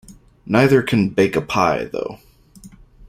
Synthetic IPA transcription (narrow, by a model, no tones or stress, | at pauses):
naɪðə˞kʰɨ̃nbeɪkəpʰaɪðo̰ʊ